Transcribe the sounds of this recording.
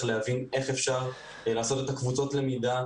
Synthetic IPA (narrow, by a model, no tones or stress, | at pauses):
lehavine̞χe̞fʃaʁ | laːso̞t̪et̪akvut͡so̞tle̞mida